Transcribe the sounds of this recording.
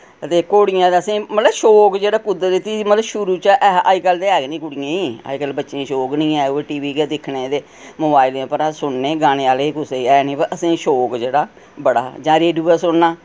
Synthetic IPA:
ət̪eːkoːɽɪjãːeəsĩːmət̪ləbʃoːkd͡ʒeːɽaːkʊd̪əɾet̪iːmət̪ləbʃʊɾuːt͡ʃəʔɛa̰ːikəld̪eːɛːɡnĩːkʊɽɪjẽːiːa̰ːikəlbətːʃẽːʃoːknĩːɛːɡeʈiːʋiːked̪ɪkʰnẽːd̪eː | moːbaːɪlẽːpəɾãːsʊɳneːɡaːɽ̃eːaːlekʊseːɛːnĩːpəɾʔəsĩːʃoːkd͡ʒeːɽaː | bəɽa̰ːd͡ʒãːɾeːɖuːaːsʊɳnaː

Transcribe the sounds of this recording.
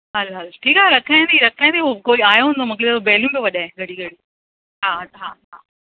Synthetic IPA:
ɦɐlɦɐlʈʰiːkaɾɐkʰaːĩnd̪iɾɐkʰãːnd̪iukoːiaːjoɦnd̪omɐklɪd̪obɛːljũbeʋɐɗaːɪ̃ɡʱɐɽiɡʱɐɽi | ɦaːɦaːɦaː

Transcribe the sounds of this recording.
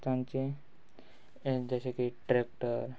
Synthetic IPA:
t̪ãnt͡ɕe | d͡ʑaɕekiʈɾek̚ʈəɾ

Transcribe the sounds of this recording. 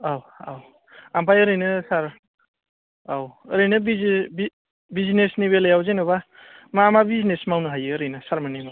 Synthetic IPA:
aw | a̰w | ampajɯɾɯjnɯsaɾ | awɾɯnɯbibi | biznesniβelejawzenoβa | maːmabiznesmawnɯɦajɯɾɯjnɯsaɾmanima

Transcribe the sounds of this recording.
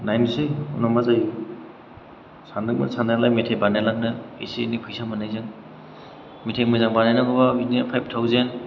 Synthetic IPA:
najnisɯjṵnɔmazaj | sanɯk̚ma̰nsanalajmetʰebanalaknɯḛsinipʰɯjsamɯnajzɯŋ | mitʰemɯzaŋbanajnaɡɔbabinpʰajp̚tʰawzen

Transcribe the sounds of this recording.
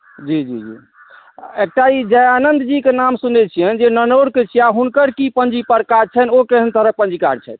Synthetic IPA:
d͡ʒid͡ʒid͡ʒḭ | ek̚ʈaid͡ʒəjanənd̪d͡ʒikenamsunɛt͡ʃʰijənd͡ʒenənoɾket͡ʃʰiaɦunkəɾkipənd͡ʒipəɾkaɾt͡ʃʰɛnokeɦənt̪əɾək̚pə̃nd͡ʒika̰ɾt͡ʃʰɛ̰t̪

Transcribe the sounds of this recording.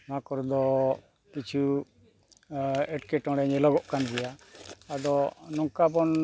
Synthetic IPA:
makɔɾd̪ɔ | kit͡ʃʰu | ɛʈkɛʈɔ̃ɽɛɲɛlɔɡɔʔkanɡ̪ɛjaad̪ɔnɔŋkabɔn

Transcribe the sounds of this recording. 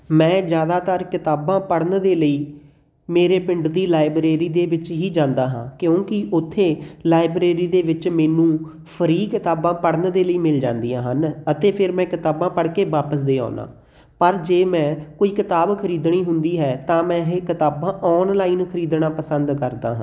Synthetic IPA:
mɛ̃ːd͡ʒjaːd̪aːt̪əɾkɪt̪aːbãːpəɽnd̪eːləiː | meːɾeːpɪ̃ɳɖd̪iːlaːɪbɾeːɾiːd̪eːʋɪt͡ʃɦiːd͡ʒãːnd̪aːɦãːkjõːkɪʔʊt̪ʰːeːlaːɪbɾeːɾiːd̪eːʋɪt͡ʃmɛːnũː | pʰəɾiːkɪt̪aːbãːpəɽnd̪eːləiːmɪld͡ʒãːnd̪ijãːɦənət̪eːpʰɪɾmɛ̃ːkɪt̪aːbãːpəɽkeːʋaːpəs̬d̪eːa̰ːnã̰ː | pəɾd͡ʒeːmɛ̃ːkoːiːkɪt̪aːbkʰəɾiːd̪ɳ̃iːɦʊnd̪iːɦɛːt̪ãːmɛ̃ːɦkɪt̪aːbãːʔɔːnlaːiːnkʰəɾiːd̪ɳãːpəsənd̪kəɾd̪a̰ːɦã̰ː

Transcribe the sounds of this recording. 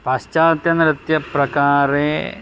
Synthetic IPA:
pɐɕt͡ɕaːt̪jɐnɾɨt̪jɐprɐkaːɾe

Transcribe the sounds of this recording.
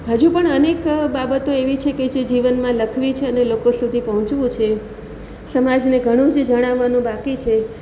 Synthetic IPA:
ɦəd͡ʒũpəɳənekbabət̪oeʋit͡ʃʰeked͡ʒed͡ʒiʋənmãləkʰʋit͡ʃʰeənelokosud̪ʱipəɦɔ̃t͡ʃʋũt͡ʃʰe | səmad͡ʒneɡʱəɽ̃ũd͡ʒed͡ʒəɽ̃aʋːanũbakit͡ʃʰe

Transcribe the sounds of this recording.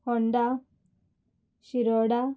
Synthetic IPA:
hɔɳɖa | ɕiɾɔɽa

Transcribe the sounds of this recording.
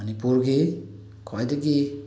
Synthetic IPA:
ɐnipuɾɡi | kʰɔjdɐɡi

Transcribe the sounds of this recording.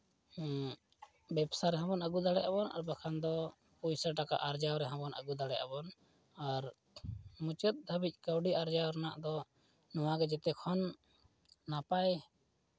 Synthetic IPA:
bɛbsaɾɛɦɔ̃bɔnəɡud̪aɽɛabɔna̰ɾbakʰand̪ɔ | pujsaʈaka̰ʔaɾd͡ʒawɾɛɦãbɔnə̰ɡud̪aɽɛʔabɔn | aɾ | mut͡ʃət̪̚d̪ʱəbic̚ˀkəwɖiʔaɾd͡ʒawɾɛnaʔd̪ɔ | nɔwaɡɛd͡ʒɛt̪ɛkʰɔnː | apaj

